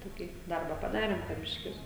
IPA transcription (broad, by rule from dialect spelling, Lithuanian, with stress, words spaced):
ˈtoːkʲiː ˈdɐrbɐ pɐˈdɑːrʲeːm poː ˈbʲɪʃʲkʲɪs